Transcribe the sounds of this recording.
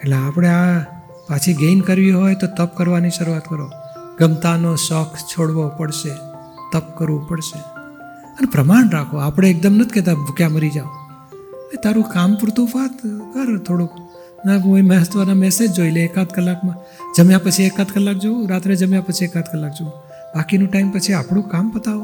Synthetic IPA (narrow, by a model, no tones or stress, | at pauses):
eʈleapɽ̃ea | pat͡ʃʰiɡenkəɾʋiɦojt̪ot̪əp̚kəɾʋaniʃəɾuat̪kəɾo | ɡəmt̪anoʃɔkʰt͡ʃʰoɽʋopəɽʃe | t̪əp̚kəɾʋopəɽʃe | ənepɾəmaɳɾakʰoapɽ̃eek̚d̪əmnət̪ʰiket̪̬abʱukjaməɾid͡ʒaʋo | et̪ʰaɾũkampɾʊt̪ʰufat̪kəɾt̪ʰːoɽuk | naoimɛɦət̪ʋənamɛsed͡ʒd͡ʒoileːkat̪kəlːakmã | d͡ʒəmjãpət͡ʃʰiekat̪kəlːak̚d͡ʒooɾat̪ɾed͡ʒəmjãpət͡ʃʰiekãt̪kəlːak̚d͡ʒoo | bakinũʈaimpət͡ʃʰiapɳũkampət̪ao